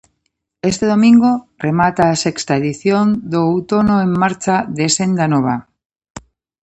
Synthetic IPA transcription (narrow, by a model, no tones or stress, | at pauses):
est̪eðomĩŋɡoremat̪aːsekst̪aeðiθjond̪oːwt̪onoemːaɾt͡ʃaðesend̪anoβ̞a̰